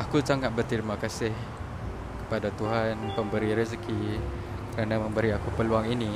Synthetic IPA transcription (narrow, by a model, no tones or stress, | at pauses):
akusaŋat̪̚bərt̪əɾimakasɪh | kə̥padat̪uɦanpəmbəɾiɾis̬ki | kəɾanaməmbəɾiakupəluaŋini